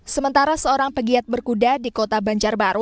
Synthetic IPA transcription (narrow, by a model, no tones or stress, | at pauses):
səmənt̪aɾasəoɾaŋpəɡiat̪̚bərkudadikot̪abaɲd͡ʒarbaɾʊt̚